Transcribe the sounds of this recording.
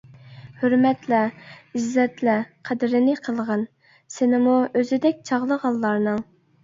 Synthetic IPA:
høɾmɛt̪lɛizːɛt̪lɛqʰæd̪ɪɾɪnɪqʰəlˠʁɑn | sɪnɪmuøzɪd̪ɛkʲt͡ʃʰɑʁlˠəʁɑlˠːɑɾnɨŋ

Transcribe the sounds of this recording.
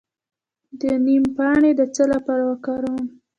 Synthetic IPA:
d̪ənimpɑɳed̪ət͡səlapɑɾawakɑɾɑn

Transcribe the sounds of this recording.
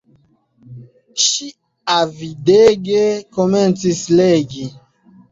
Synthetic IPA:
ʃi | avideɡekoment͡sisleɡi

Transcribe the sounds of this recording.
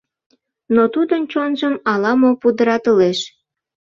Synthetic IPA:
not̪ud̪ənt͡ɕonʒəmɑlɑmopud̪əɾɑt̪əleʃ

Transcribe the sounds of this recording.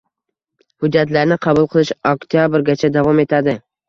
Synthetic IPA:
hʊd͡ʒːat̪laɾnɪqʰɑbʊlˠqʰɨlˠɪʃɔkt̪ʰijabɾɡʲat͡ʃʰad̪avɒme̞t̪ʰad̪ɪ

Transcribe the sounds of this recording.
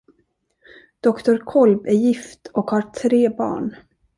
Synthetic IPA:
d̪̥ɔkt̪ʊɾkʰɔlbæɾjɪft̪ɔkhɑɾʈʰɾeːbɑ̰ːɳ

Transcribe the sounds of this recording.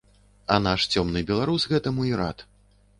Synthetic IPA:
ɐnaʂt͡sʲɔmnɨbʲɛlˠaɾusɣɛt̪ɐmuiɾa̰t̪

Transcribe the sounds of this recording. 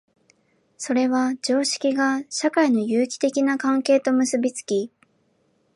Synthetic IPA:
so̞ɾe̞βad͡ʑo̞ːɕi̥kʲiɡaɕakaino̞jɯ̟ːkʲi̥t̪e̞kʲinakãŋke̞ːt̪o̞mɯ̟sɨbʲit͡sɨ̥kʲi

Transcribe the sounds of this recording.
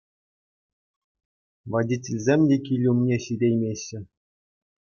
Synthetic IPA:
ʋɑdʲitʲelʲzʲemʲdʲekʲilʲumnʲeɕidʲejmʲeɕːɘ̆

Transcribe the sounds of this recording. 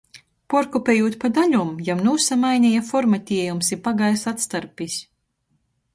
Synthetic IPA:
pɔɾkupʲeːjuːt̪pad̪aʎʲumjamnuːsamajnʲɛjafɔɾmat̪ʲiɛjumsipaɡajsat̪st̪aɾpʲisʲ

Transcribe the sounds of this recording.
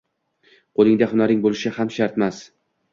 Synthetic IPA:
qʰolˠɪŋd̪aɦʊnaɾɪŋbolˠɪʃɪhamʃaɾt̪mas

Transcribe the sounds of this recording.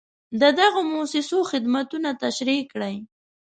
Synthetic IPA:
d̪əd̪aɣomosɪsoxɪd̪mat̪unat̪aʃɾikɽaj

